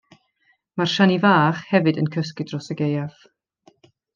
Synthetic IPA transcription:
marʃanivaːχhɛvɨdənkʰəs̬kɨdrɔsəɡejav̥

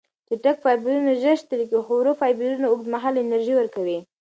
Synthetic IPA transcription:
d̪̥əʈək̚fɑjbiɾunaʒəʃt̪əlikixowɾofɑjbiɾunaoɡ̚d̪maɦalɪnaɾʒiwəɾkawi

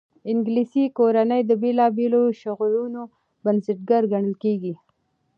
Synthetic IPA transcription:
ɪŋɡlisikoɾanəjd̪əbelɑbeloʃʊɣluno | bansɪʈɡaɾɡaɳəlkeɡi

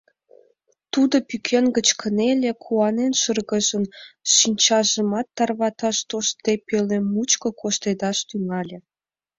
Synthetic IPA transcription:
t̪ud̪opykʰenɡət͡ɕkʰənelʲekʰuɑnenʃərɣəʒənʃinʲt͡ɕɑʒəmɑt̪ːɑrβɑt̪ɑʃt̪oʃd̪epelemut͡ɕkəkʰoʃt̪ed̪ɑʃt̪yŋɑlʲĕ

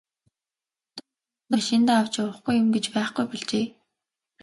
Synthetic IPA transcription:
t̪ | ə̆ʃint̪aːaw̥t͡ɕʊwə̆χɡujːʊmɡet͡ɕpæːχɡujpiɮt͡ɕeː

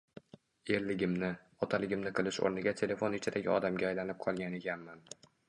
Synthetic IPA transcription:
e̞ɾlɪɡʲɪmnɪ | ɒt̪ʰalɪɡʲɪmnɪqʰɨlˠɪʃo̰ɾnɪɡʲat̪ʰe̞le̞fonɪt͡ʃʰɪd̪aɡʲɪɒd̪amɡʲaːjlanɪp̚qʰɒlˠɡʲaneɡʲanman

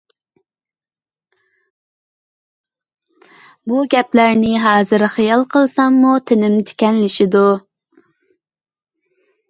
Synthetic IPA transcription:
buɡʲɛplæɾnɪɦɑːzɨɾχijɑlˠqʰəlˠsɑŋmut̪ʰɪnɪmt̪ʰɪ̥kʲɛnlɪʃɪd̪u

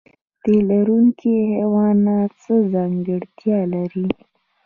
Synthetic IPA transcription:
d̪̥elaɾuŋkʰihewɑnat͡səzɑŋɡəɽt̪jɑlaɾi

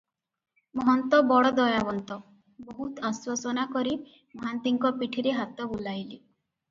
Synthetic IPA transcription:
mɔɦɔnt̪ɔbɔɽɔd̪ɔjabɔnt̪ɔ | bɔɦut̪aswasɔnakɔɾi | mɔɦant̪iŋkɔpiʈʰiɾeɦat̪ɔbulajli

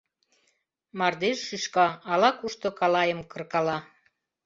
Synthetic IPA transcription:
mɑrd̪eʃʃyʃkɑɑlɑkuʃt̪ŏkɑlɑjəmkə̆rkɑlɑ

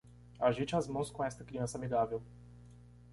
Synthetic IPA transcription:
aʒit͡ʃɪazmɐ̃w̃skõɛst̪ɐkɾiɐ̃sɐamiɡavew

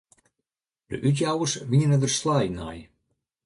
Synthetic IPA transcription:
d̥̪ə̰ʔyt̪̬jawəʃviɲənəd̪ərslˠɑjnɑ̰j

